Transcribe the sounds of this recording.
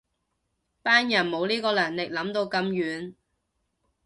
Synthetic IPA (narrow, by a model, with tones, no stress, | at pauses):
paː˥njɐ˨˩nmo˨˧wliː˥kɔː˧lɐː˨˩ŋlɪ˨k̚lɐ˨˧˥mt̪o˧wkɐ˧mjyː˨˥n